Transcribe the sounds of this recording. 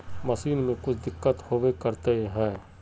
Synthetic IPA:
məsiːnmẽkʊt͡ʃʰd̪ɪkːət̪hoːʋekəɾt̪eɦɛ̃ː

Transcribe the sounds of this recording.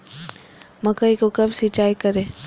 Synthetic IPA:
mɐkəikokɐbsit͡ʃaːikɐɾẽː

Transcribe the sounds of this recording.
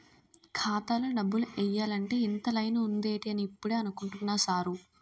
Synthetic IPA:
kʰaːt̪aːlonɐbːuluʔɛjːaːlɐɳʈe̞ːint̪ɐlɐjnuund̪e̞ːʈiɐniːpːuɽeːɐnukuɳʈunːaːsaːɾu

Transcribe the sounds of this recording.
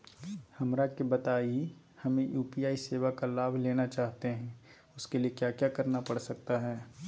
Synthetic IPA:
hɐmɾakebɐt̪aːii | hɐmẽjuːpiaːiseːʋakalaːbʱleːnat͡ʃaːɦt̪eɦɛ̃ː | ʊskeliekjaːkjaːkɐɾnapɐɽsɐk̚t̪aɦɛː

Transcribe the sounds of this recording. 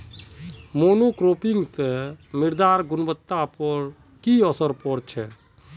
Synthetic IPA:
moːnokɾopɪŋɡt̪emɪɾd̪aːɾɡʊnbət̪ːapəɾ | kiəsəɾpəɾt͡ʃʰɛ

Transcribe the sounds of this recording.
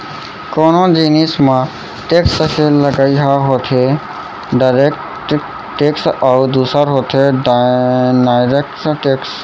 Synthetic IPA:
koːnõd͡ʒinismã | ʈeksəkʰeləɡaiɦaɦot̪ʰe | ɖaɾek | ʈ | ʈeksaʊd̪uːsaɾɦot̪ʰe | najɾekʈʈeks

